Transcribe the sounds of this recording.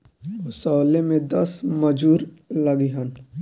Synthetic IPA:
ʊsɔːlemẽd̪ɐsmɐd͡ʒuːɾlɐɡiɦən

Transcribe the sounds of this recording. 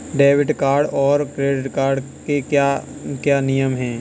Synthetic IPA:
ɖeːʋɪʈkaːɾɖɔːɾkɾeːɖɪʈkaːɾɖ | kekakjaːnijəmɦɛ̃ː

